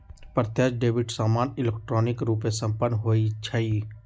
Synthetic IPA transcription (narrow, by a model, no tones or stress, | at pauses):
pɾət̪jad͡ʒɖeːbɪʈsaːmaːnɪlek̚ʈɾoːnɪkɾuːpesə̃mpənːɦoːit͡ʃʰɐi